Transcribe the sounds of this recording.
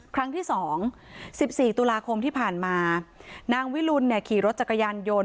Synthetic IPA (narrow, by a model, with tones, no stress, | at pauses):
kʰɾa˦˥ŋt̪ʰiː˥˩sɔː˩˦ŋsi˨˩p̚siː˨˩t̪u˧laː˧kʰo˧mt̪ʰiː˥˩pʰaː˨˩nmaː˧naː˧ŋwi˦˥lu˧nːi˥˩kʰiː˨˩ɾo˦˥t̪̚t͡ɕa˨˩kːa˧jaː˧njo˧n